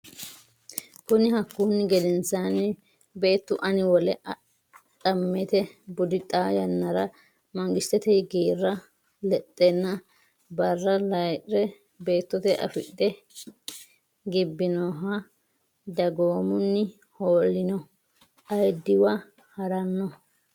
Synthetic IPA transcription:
kʊnɪhɐkːuːnːɪɡɛd̪ɛnsanɛ | be̞ːt̪ːʊʔɐnɪwɔlɛɐ | tɐmːɛt̪ɛbʊd̪ɪt̪ʼaːjɐnːɐɾɐ | mɐŋɡɪʃt̪ːɛt̪ɛɡeːrːɐ | lɛt̪ʼːɛnːɐ | bɐrːɐlɐjʔɾɛ | be̞ːt̪ːɔt̪ɛʔɐ̰fɪɗːɛ | ɡɪbːɪnɔːɦɐ | d̪ɐɡoːmʊnːɪ | hoːlːɪnɔ | ɐjd̪ːɪwɐ | hɐɾɐnːɔ

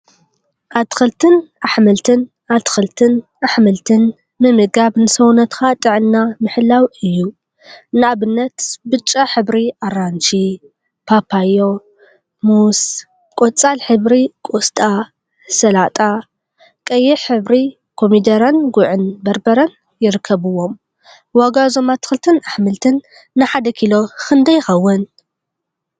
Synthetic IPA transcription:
ʔat̪xɨlt̪ʰɨnaħmɐlt̪ʰɨn | at̪ʰɨ̥xɨlt̪ʰɨnʔaħmɨlt̪ʰɨn | mɨmɨɡabnɨsɐwnɐt̪xat̪ʼɨʕɨnːamɨħɨlːawɨjːu | nɨaβɨnːɐt̪bɨt͡ʃʼːaħɨbɾiaɾant͡ʃi | pʰapʰajo | mus | kʼot͡sʼalħɨβɾikʼost̪ʼa | sɐlat̪ʼa | kʼɐjːɪħɨβɾi | kʰomid̪ɐɾɐnɡʊʕɨnbɐɾbɐɾɐn | jɪɾɨkʰːɐβɨwo̞m | waɡazomat̪ɨ̥xɨlt̪ʰɨnaħmɨlt̪ʰɨnː | ɨħad̪ɐkʰilokɨnd̪ɐjɪxɐwːɐn

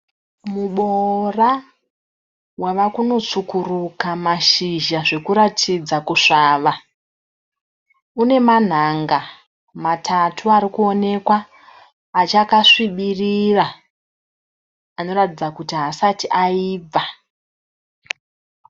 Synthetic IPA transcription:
muɓora | waʋakuno̞t͡sukurukamaʃiʒaʐe̞kuɾatʰid͡zakuʂaːʋa | une̞man̤aŋɡa | matʰatʰuaɾikuo̞ne̞kwaː | t͡ʃakaʂiɓirira | no̞ratid͡zakutiɦasatiʔaiːb͡va

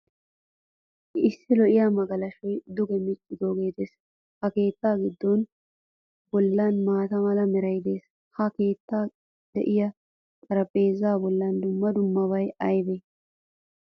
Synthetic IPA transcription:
ʔɪsːɪlɔʔɪjamɐɡɐlɐʃɔjd̪ʊɡɛmɪt͡ʃʼːɪd̪oːɡe̞ːt̪e̞ːs | hɐke̞ːt̪ːaːɡɪd̪ːɔn | bɔlːanmaːt̪ɐmɐlɐmɛɾɐjd̪e̞ːs | hɐke̞ːt̪ːaː | d̪ɛ̰ʔɪjɐ | kʼɐɾɐpʼːe̞ːzaːbɔlːɐnd̪ʊmːɐd̪ʊmːɐβɐjɐjbe

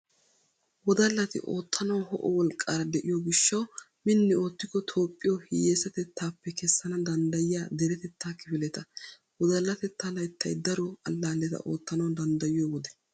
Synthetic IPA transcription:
wɔd̪ɐlːɐt̪ɪ̰ʔo̰ːt̪ʰːɐnɐwhɔ̰ʔɔwɔlkʼːaːɾɐd̪ɛʔɪjoːɡɪʃːɐw | mɪnːɪo̞ːt̪ːɪkːɔt̪ʰo̞ːpʼːɪjɔhɪjeːsɐt̪ɛt̪ːaːpːɛkɛsːɐnɐd̪ɐnd̪ɐjɪjaːd̪ɛɾɛt̪ɛt̪ːaːkɪfɪlɛt̪ɐ | wɔd̪ɐlːɐt̪ɛt̪ːɐlɐjt̪ːɐjd̪ɐɾɔɐlːaːlːɛt̪ɐ̰ʔo̞ːt̪ːɐnɐwd̪ɐnd̪ɐjɪjoːwɔd̪ɛ̥

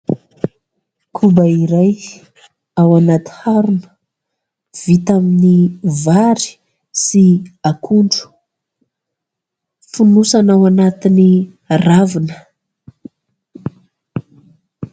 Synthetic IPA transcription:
kʰubaiɾaj | awanat̪i̥haɾunə̥ | v̥it̪aminivaɾi̥ | siakʰuɳɖ͡ʐu̥ | funusanawanat̪ini | ravinə̥

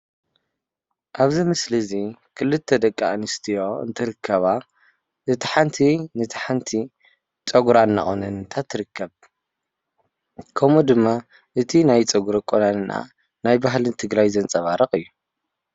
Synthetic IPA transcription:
ʔaβzimɨslizikʰɨlɨt̪ʰːɐd̪ɐkʼːa̰nɨst̪ʰijo̞ɨ̰nt̪ʰɨɾɨkʰːɐβa | ʔɨt̪ʰi̥ħant̪ʰinɨt̪ʰħant̪ʰi | t͡sʼɐɡuɾanːa̰χʼonɐnt̪ʰat̪ʰːɨɾɨkʰːɐβ | kʰɐmud̪ɨmːa | ʔɨt̪ʰinajt͡sʼɐɡuɾokʼːonanɨna̰ | najbaɦlɨnt̪ʰɨɡɾajzɐnt͡sʼɐβaɾɐχʼɨjːu

